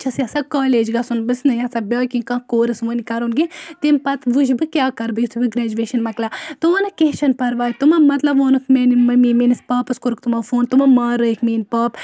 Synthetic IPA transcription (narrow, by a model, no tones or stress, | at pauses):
t͡ʃʰɐsjasakaːleːd͡ʒɡɐsunbɨsnɨjasɐbʲoːkĩkãːkoːɾɨsʋonikɐɾoːnɡit̪impɐt̪ʋud͡ʒbɨkʲjaːkɐɾbɨjit̪ʰubɨɡɾeːd͡ʒuʋeːʃɐnmɐt̪lɐt̪uʋɐnɨkeːt͡ʃɐnpɐɾʋaːjt̪umɐmɐt̪lɐboːnɨkʰmeːnimɐmiːmeːnispaːpɨskuɾkt̪umafoːnt̪umɐmaːɾəikʰmiːnpaːp